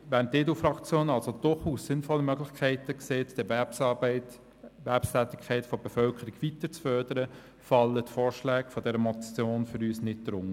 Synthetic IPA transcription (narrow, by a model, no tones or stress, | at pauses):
ʋæːnteːdufɾɑkt͡sjoːnɑlsod̥ʊχuːsːɪnfɔlːəmœɡlɪçkʰɛɪtəkseːtd̥əɪt | ʋæpstæːtɪ̥kʰːɛɪtfɔb̥efœlkəɾiɡʋitət͡sfœɾd̥əɾə | fɑlːətfoːɾʃlæːɡfɔdɛɾəmɔjoːnfʏɾyːsnɪt̚d̥ɾʊŋ